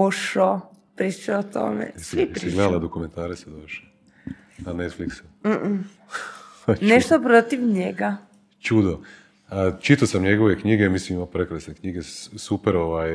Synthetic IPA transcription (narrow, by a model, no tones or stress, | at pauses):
oʃopɾit͡ʃoot̪o̰mḛssʋiɾiɡled̪alad̪okument̪aːɾesed̪oʃe | anet̪fliksa | neʃt̪opɾot̪iʋɲeɡa | t͡ʃud̪o | ət͡ʃit̪osamɲeɡoʋekɲiɡemisimimapɾekɾasnekɲiɡesupeɾoʋaj